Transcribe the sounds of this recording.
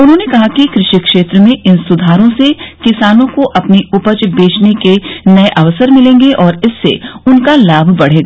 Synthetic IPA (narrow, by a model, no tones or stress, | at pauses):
ʊnɦõːnekɐɦakikɾɪʃikʃeːt̪ɾəmẽɪnsʊd̪ʱaːɾõsekɪsaːnõkoʔɐpniʊpət͡ʃbeːt͡ʃnekenɐeʔɐʋəsəɾmɪlẽːŋɡeʔɔːɾɪsːḛʊnkalaːbʱbɐɽ̤eːɡaː